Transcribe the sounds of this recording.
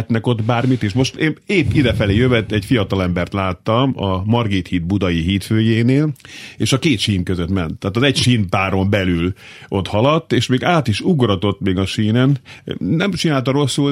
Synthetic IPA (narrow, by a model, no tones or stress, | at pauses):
t̪nɛko̞t̪baːrmit̪eːʃmo̞ʃt̪eːneːpːid̪ɛfɛleːjøvɛt̪ːɛɟfijɒt̪ɒlɛmbɛrt̪laːt̪ːɒmɒmɒrɡit̪hiːd̪̚bud̪ɒjiɦiːt̪føːjeːneːleːʃɒkeːt̪ʃiːmkøzøt̪mɛnt̪ːaːt̪ɒzɛcʃiːnpaːɾo̞mbɛlyl | o̞t̪hɒlɒt̪ːeːʃmeːɡaːt̪iʃuɡrɒt̪o̞t̪ːmeːɡɒʃiːnɛnnɛmt͡ʃinaːlt̪ɒɾo̞sːul